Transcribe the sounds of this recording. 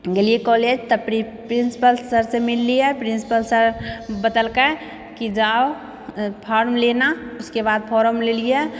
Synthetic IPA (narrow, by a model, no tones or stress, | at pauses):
ɡeliekɔːled͡ʒt̪əpɾi | pɾɪ̃nsi̥pəlsəɾsemɪlːiɛpɾɪ̃nsi̥pəlsəɾbəd̪əlkə | kid͡ʒaːo | pʰɔːɾmlenaʊskebaːd̪̚pʰɔːɾəmleliɛ